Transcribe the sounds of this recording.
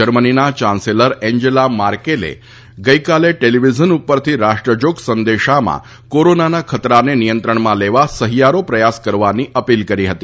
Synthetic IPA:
d͡ʒəɾməninat͡ʃãnseləɾɛ̃ɲd͡ʒelamaɾkelḛ | ɡəikaleʈeliʋid͡ʒənupːəɾt̪ʰiɾaʃʈɾəd͡ʒoksənd̪eʃamã̰ | koɾonanakʰət̪ɾanenijənt̪ɾəɳmãleʋasəɦijaɾopɾəjaskəɾʋaniʔəpilkəɾiɦət̪i

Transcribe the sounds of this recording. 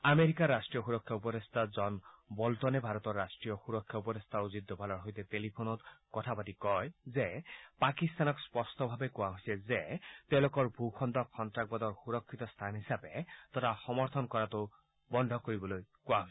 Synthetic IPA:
ameɾikaɹːasʈɹijɔxuɾɔkʰːjaupɔd̪est̪ʰazɔnbɔlt̪ɔnebʱaɾɔt̪ɔɹːasʈɹijɔxuɾɔkʰːjaupɔd̪est̪ʰauzit̪̚d̪ːɔpalɔɹɦojt̪et̪elipʰonɔt̪kɔt̪ʰapatikɔjzepakist̪anɔkspɔst̪ɔbʱabekʊaɦojsɛzet̪ɛʊ̃lokɔɹbʱukʰɔnd̪ɔkʰːɔntɹak̚bɔd̪ɔɹxuɾɔkʰːit̪ɔst̪ʰanɦisabet̪ɔtaxɔmɔɾt̪ʰɔnkɔɹat̪o | bɔndʱɔkoɹibɔlojkʊwaɦojs

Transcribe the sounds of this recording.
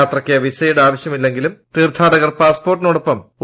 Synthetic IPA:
aːt̪rɐkːeɐʋisɐjuɽaːʋɐɕjɐmilːe̞ŋɡilumt̪iːrt̪ʰːaːɽɐɣɐrpaːspo̞ːrʈːinoːɽopːɐmu

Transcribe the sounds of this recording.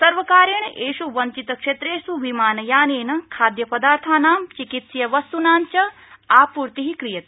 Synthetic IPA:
sɐɾʋɐkaːɾjɐɳʔeːʃuʋɐɲt͡ʃit̪ɐkʂet̪ɾeːsuʋʱimaːnɐjaːneːnɐkʰaːd̪jɐpɐd̪aːɾt̪ʰaːnaːmt͡ʃikit̪sjɐʋɐst̪unaːnt͡ʃɐ | aːpuːɾt̪iɦikɾijɐt̪i̥

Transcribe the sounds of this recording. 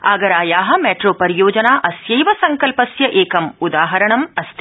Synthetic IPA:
aːɡɐɾaːjaːɦɐ̆meːʈɾoːpɐɾijoːd͡ʒɐnaːʔɐsjɐjʋɐsɐŋkɐlpɐsjɐʔeːkɐmud̪aːɦɐɾɐɳɐmɐst̪i

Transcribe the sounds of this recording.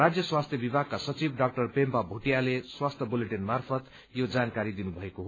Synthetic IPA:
ad͡zjʌswast̪ʰjʌbibʱaɡ̚kːasʌt͡sibɖak̚ʈʌrpempabʱuʈjaleswast̪ʰjʌbuleʈinmarpʰʌt̪ | jod͡zankaɾid̪inubʱʌekoɦ

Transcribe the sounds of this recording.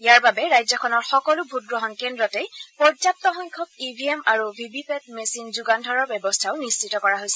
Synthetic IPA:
ijaɹbabɛɹajzɔkʰɔnɔɹxɔkɔlubʱut̚ɡɹɔɦɔnkɛndɹɔtɛjpɹɔzap̚tɔxɔŋkʰɔk̚ibʱiemaɹubʱibipɛt̚mesinzuɡandʱɔɹɔɹbɛbɔstʰaʊnist͡ʃitɔkɔɹaɦojsɛ

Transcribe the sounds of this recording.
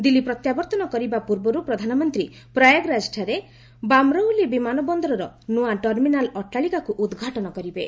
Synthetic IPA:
d̪ilipɾɔt̪jabɔɾt̪ɔnɔkɔɾibapuɾbɔɾupɾɔd̪ʱanɔmɔnt̪ɾi | pɾajaɡɾad͡ʒʈʰaɾe | bamɾɔwlibimanɔbɔnd̪ɔɾɔɾɔnuaʈɔɾminalɔʈaɭikakuʔud̪ɡʱaʈɔnɔkɔɾibe

